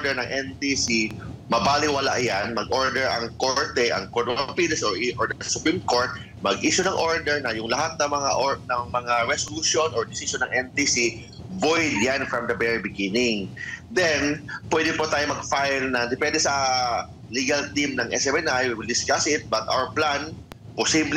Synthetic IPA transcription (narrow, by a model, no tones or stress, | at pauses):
ɹd̪ɛɹnɐŋʔɛnt̪isimɐbaːlɪwɐla̰ʔjanmɐɡʔo̞ɹd̪ɛɹɐŋkoɹt̪ɛʔɐ̰ŋkoɹt̪pilɐsoɹʔiʔoɹd̪ɛɐsʊpɹimko̞ɹt̪̚ | mɐɡʔiːʃonɐŋʔo̞ɹd̪ɛɹnɐjʊŋlɐɦat̪̚nɐmɐŋa̰ʔonɐŋmɐŋaɹɛsoluʃjo̞nɔɹd̪ɪsiʃonːɐŋʔɛnt̪isi | vojd̪janfɹɐmd̪ɐbɛɹibɪɡinɪŋd̪ɛnpwɛd̪ɪŋpot̪aːjomɐɡfajlnɐd̪ɪpɛnd̪ɛsɐ | liɡɐlt̪imnɐŋʔɛ̰sɛmɛnajwiwɪld̪ɪskasɪt̪̚bɐt̪ʔa̰wɛɹplan | posibl